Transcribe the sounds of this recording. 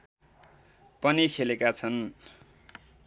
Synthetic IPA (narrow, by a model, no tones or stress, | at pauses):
pʌnikʰelekat͡sʰʌn